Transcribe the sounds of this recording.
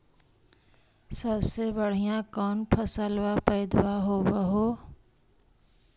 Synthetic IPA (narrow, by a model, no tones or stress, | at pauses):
səbsebəɽ̤ijãkɔːnpʰəsəlwapəɪd̪waɦobəɦo